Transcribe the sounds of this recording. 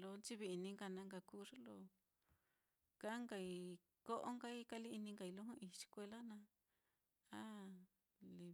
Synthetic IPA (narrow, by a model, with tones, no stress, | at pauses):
lo˧˦nt͡ʃi˦βi˧i˧nĩ˧ŋɡa˧˨nã˧ŋɡa˧ku˦ʐo˦lo˧ | ka˦ŋɡa˧i˧ | ko˦ʔo˦ŋɡa˦˧i˦ka˧li˦i˧nĩ˧ŋɡa˧i˧lo˦ɦũ˦i˧t͡ʃi̥˧kʷe˧la˦nã˧ | a˦ | li˧